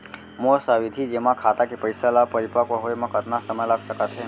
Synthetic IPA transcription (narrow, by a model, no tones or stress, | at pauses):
mosaʋid̪ʱid͡ʒemãkʰat̪akipəjsalapəɾipakoɦojmãkət̪nasəməjlaɡsəkat̪t͡ʃʰe